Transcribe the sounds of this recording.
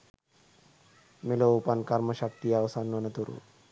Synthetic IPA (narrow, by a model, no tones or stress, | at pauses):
meloupɐnkɐɾmɐʃɐk̚t̪ijaʋɐsanːɐnɐt̪uɾṵ